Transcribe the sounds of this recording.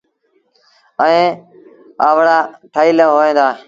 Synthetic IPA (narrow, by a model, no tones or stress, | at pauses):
əẽː | aːʋɽaːʈʰaːiːləːɦoːẽːnd̪aːe